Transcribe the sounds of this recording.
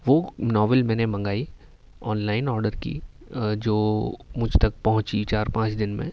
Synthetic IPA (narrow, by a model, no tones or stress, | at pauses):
ʋoːnɔːʋəlmɛ̃ːnemɐ̃ŋɡaːi | ɔːnlaːɪnɔːɾɖəɾkḭ | d͡ʒoːmʊd͡ʒʱt̪ɐk̚pɐɦʊ̃t͡ʃit͡ʃaːɾpãːt͡ʃd̪ɪnmḛ̃